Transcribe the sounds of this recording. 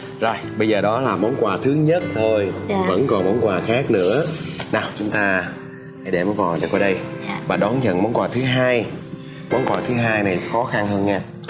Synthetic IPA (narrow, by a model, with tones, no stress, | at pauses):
zo˨˩jɓə˧jzəː˨˩ɗɔ˨˦laː˨˩mɔ˨˦nkwaː˨˩t̪ʰɨ˨˦ɲə˦˥t̚t̪ʰo˧jvə̰˧˥nkɔ˨˩nmɔ˨˦nkwaː˨˩xaː˦˥k̚nɨ̰˧˥ənaː˨˩wt͡ɕʊ˨˦ŋ͡mt̪aː˧ | ha˧˩jɗe˧˩mɔː˨˦jkɔ˨˩ɗɛ̰˨˩kɔ˧˩˦ɗə˧jvaː˨˩ɗɔ˨˦nzə̰˧˨nmɔ˨˦nkwaː˨˩t̪ʰɨ˨˦ɦaː˧j | mɔ˨˦nkwaː˧˨˩t̪ʰɨ˨˦ɦaː˧jna˨˩jxɔ˨˦xa˧nhəː˧nɲɛː˧